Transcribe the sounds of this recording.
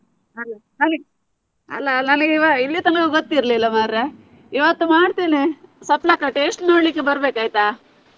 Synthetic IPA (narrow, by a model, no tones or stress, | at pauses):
ɐlːɐ | ɐni | ɐ̰lːɐnɐnɡeiʋailːit̪ɐnɐkeɡot̪ːiɾɐlilːɐmaɾɾe | iʋat̪ːumaːɖt̪inesɐplaːkɐʈesʈnoːɽlikːebɐɾbeːkaːjt̪aː